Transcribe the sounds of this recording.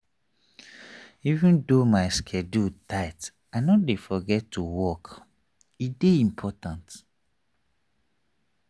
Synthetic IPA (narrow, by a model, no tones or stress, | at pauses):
ivə̃ndomaɪskʰɛdutaɪt | aɪnɔdefɔɡɛtʰːuwɔk | ideĩmpʰɔtãnt